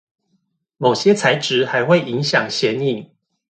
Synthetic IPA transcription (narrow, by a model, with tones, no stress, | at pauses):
mo˨˩ʊɕjɛ˦t͡sʰa˧˦ɪʈ͡ʂɻ̩˨˦xa˧˦ɪxwe˥˨ɪʔi˧˦ŋɕjɑ˨˩ŋɕjɛ˧˦ni˨˩˦ŋ